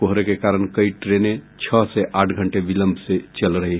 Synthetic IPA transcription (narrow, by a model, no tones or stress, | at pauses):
oɦɾekekaːɾəñkəiʈɾenet͡ʃʰəseʔaːʈʰɡʱəɳʈeʋiləmbʱset͡ʃəlɾəɦi